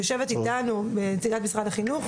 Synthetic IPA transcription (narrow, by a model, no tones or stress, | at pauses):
joʃe̞vetitanubent͡siɡatmisʁadaχinuχ